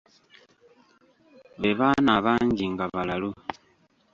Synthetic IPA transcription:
βeβanaβaɲɟiŋɡaβalalu

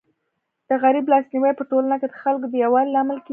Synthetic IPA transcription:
d̪̥əɣaɾiblɑsniwəjpəʈolanaked̪əxalkod̪əjawɑlːaamalke

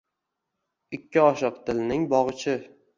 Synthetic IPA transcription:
ɪkʲʰːɪɒʃɨqt̪ʰɪlnɪŋbɒʁɨt͡ʃʰɪ

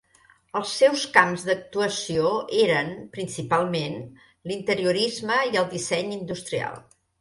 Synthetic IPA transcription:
əlˠsːɛwskamzd̪ək̚t̪uəsioeɾənpɾinsipalˠmen | lint̪əɾiuɾizməiəlˠd̪isɛɲind̪ust̪ɾia̰lˠ

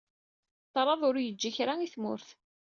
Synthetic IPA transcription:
t̪ˤːɾˤɑðˤʊɾjəd͡ʒːiçɾaiθmʊ̰ɾθ

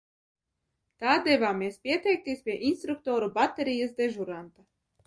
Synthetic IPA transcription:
t̪aːd̪ɛvaːmʲeɛspʲiɛt̪ɛjk̚t̪iːsʲpʲiɛʔinst̪ɾuk̚t̪ɔːɾubat̪eɾʲijasd̪eʒuɾant̪a

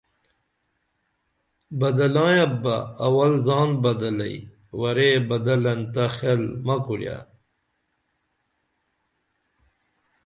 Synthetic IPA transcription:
bɐd̪ɐlãːjɐbɐ̰ːwɐlzaːnbɐd̪ɐlɐ̰i | wɐɾebɐd̪ɐlɐnt̪ɐxelmɐkulja̰

